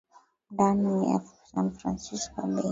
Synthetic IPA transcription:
dania̰fsanfɾa̰nsiskabɛ

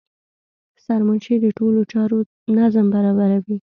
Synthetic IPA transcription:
saɾmʊnʃed̪əʈolot͡ʃɑɾo | nazəmbaɾɑbaɾawi

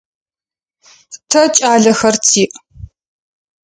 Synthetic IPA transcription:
tʰɐt͡ʃʼaːɮɐxɐrtʰiːʔ

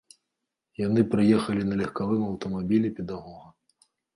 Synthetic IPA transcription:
jan̪ɨpɾɨjɛxɐlʲinɐlʲɐxkavɨmɐwt̪ɐmabʲilʲipʲɛd̪aɣɔɣɐ

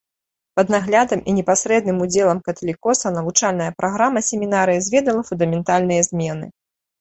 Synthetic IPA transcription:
pɐd̪naɣlʲad̪ɐmʔinʲɛpasʲɾɛd̪nɨmud͡zʲɛlˠɐmkɐt̪ɐlʲikɔsɐnɐvut͡ʂalʲnɐjɐpɾaɣɾamɐsʲɛmʲinaɾɨjizʲvʲɛd̪ɐlˠɐfund̪ɐmʲɛnt̪alʲnɨjɐzʲmʲɛnɨ̰

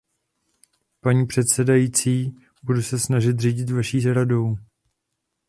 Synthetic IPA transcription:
paɲiːpr̝̥ɛt̪sɛdajiːt͡siː | budusɛsnaʒɪt̪̬riɟɪt̪vaʃiːzɾado̞w

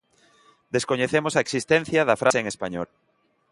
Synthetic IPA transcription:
d̪eskoɲeθemʊsɐeksist̪ɛ̃n̟θjɐðɐfɾʔaseŋespaɲɔ̰l

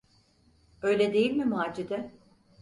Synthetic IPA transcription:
ø̞jlʲɛd̪e̞jilʲmimaːd͡ʒid̪ɛ

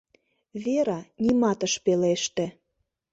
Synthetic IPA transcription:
βeɾɑnʲimɑt̪əʃpeleʃt̪ĕ

